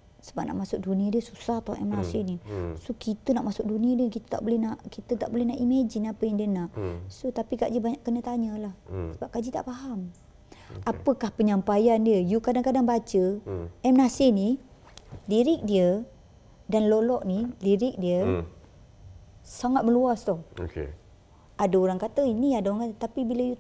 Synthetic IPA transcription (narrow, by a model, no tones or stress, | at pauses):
səbap̚na̰ʔmasʊk̚duniadiəsusaht̪ɔɛ̰mnasɪnisokit̪unaʔmasʊk̚duniədiəkit̪ə̥t̪a̰ʔbolɛhnaʔkit̪ət̪aʔbolɛhnaʔimad͡ʒinapəjaŋdiənaʔsot̪apiɡaʔdiəbaɲaʔkənət̪aɲəlahsəbap̚kad͡ʒit̪a̰ʔpaɦam | apəkahpəɲampajandiəjukadaŋkadaŋbat͡ʃəɛmnasɪni | liɾɪk̚diə | danlolɔʔniliɾɪk̚diə | saŋat̪̚məluast̪ɔhkḛ | adaoɾaŋkat̪əiniadaoɾaŋkat̪ət̪apibiləju